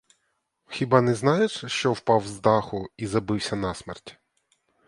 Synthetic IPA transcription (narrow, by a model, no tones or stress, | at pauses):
xʲibɑnɛznɑjeʂʃt͡ʃɔwpɑwzd̪ɑxʊizɐbɪwsʲɐnɑsmɛ̰rtʲ